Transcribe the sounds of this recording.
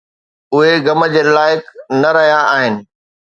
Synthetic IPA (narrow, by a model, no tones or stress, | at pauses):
ʊɦeɡɐmə̆d͡ʑeːlaːɪknɐɾɐɦijaaːɦɪnɪ̆